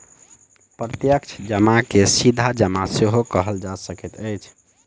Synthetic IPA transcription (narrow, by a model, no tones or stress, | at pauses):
pɾət̪jəkt͡ʃʰd͡ʒəmakesid̪ʱad͡ʒəmaseɦokəɦəld͡ʒasəkɛt̪əjt͡ʃʰ